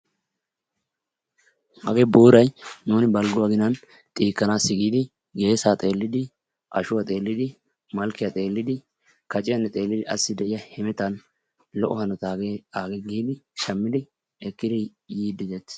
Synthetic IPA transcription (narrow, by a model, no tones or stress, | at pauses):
hɐ̰ɡɛbuːɾɐjnuːnɪbɐlɡʊwaɡɪnɐn | t̪ʼiːkːɐnaːsːɪɡiːd̪ɪ | ɡe̞ːsaːt̪ʼe̞ːlːɪd̪ɪ | ʔɐ̰ʃʊwɐt̪ʼe̞ːlːɪd̪ɪ | mɐlkɪjɐt̪ʼe̞ːlːɪd̪ɪ | kɐt͡ʃʼɪjɐnːɛt̪ʼe̞ːlːɪd̪ɪʔɐsːɪd̪ɛʔɪjɐhɛmɛt̪ɐn | lɔʔɔhɐnɔt̪aːɡaːɡɛɡiːd̪ɪʃɐmːɪd̪ɪ | ɛkːɪd̪ɪjiːd̪ɪzɛt̪